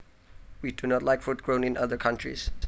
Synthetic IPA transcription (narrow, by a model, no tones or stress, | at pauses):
widunɔtˡlaɪkfut̚ɡ̥ɹõnɪ̃naðə˞kʰãntɹḭs